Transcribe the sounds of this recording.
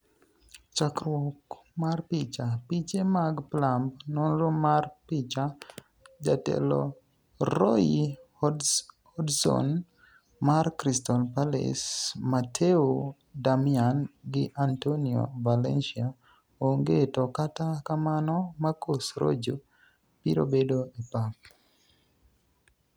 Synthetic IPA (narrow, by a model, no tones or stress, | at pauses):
t͡ʃakɾwɔk | marpit͡ʃapit͡ʃemaɡplambnɔnɾʊmarpit͡ʃa | d͡ʒatɛ̰lɔ̰ | ɾoji | ɔdhɔdsɔ̰n | markɾistɔlpalḛsmatʰeo | damianɡɪʔantoniɔ̰valɛnʃia | oŋɡetɔkatakamanɔmakosɾo̰d͡ʒo | piɾo̰bedoipap̚